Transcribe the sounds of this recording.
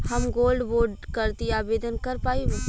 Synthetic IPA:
hɐmɡoːlɖboːɾɖkəɾt̪iaːbeːd̪ənkəɾpaːibu

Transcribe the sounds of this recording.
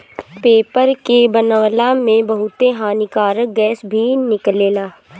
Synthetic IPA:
peːpəɾkebənəʋlãmẽbɐɦʊt̪eɦãːnɪkaːɾək̚ɡɛːsbʱinɪkleːlaː

